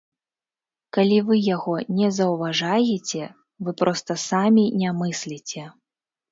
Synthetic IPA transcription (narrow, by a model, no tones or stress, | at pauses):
kalʲivɨjaɣɔnʲɛzɐwvaʐajɛt͡sʲɛ | vɨpɾʔɔst̪ɐsamʲinʲamɨsʲlʲit͡sʲɛ